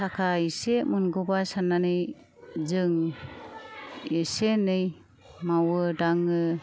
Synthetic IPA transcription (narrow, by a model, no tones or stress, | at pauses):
takʰaisemunɡɔbasanːanɯj | zɯŋ | esenɯj | mawɯdaŋɯ